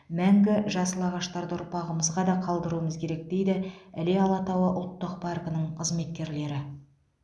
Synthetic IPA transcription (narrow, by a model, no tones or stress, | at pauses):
mæŋɡʲɪʒɑsəlˠɑʁɑʃt̪ɑɾd̪əʊɾpɑʁəməzʁɑd̪ɑqʰɑlˠd̪əɾuəməzkʲʰe̞ɾe̞k̚d̪e̞jd̪ɪæle̞ɑlˠɑt̪ɑwəʔʊlˠt̪ːəq̚pʰɑrkənəɴqʰəzme̞t̪̚kʲe̞ɾle̞ɾɪ